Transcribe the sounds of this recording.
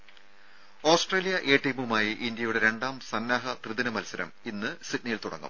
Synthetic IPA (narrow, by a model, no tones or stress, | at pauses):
o̞ːsʈreːlijɐʔe̞ːʈːijmumaːjiʔind̪jɐjuɽe̞ɾe̞ɳɖaːmsɐnːaːɦɐt̪rɨðinɐmɐlsɐɾɐ̰minːɨsitnɐjilt̪uɽɐ̰ŋːɐ̰m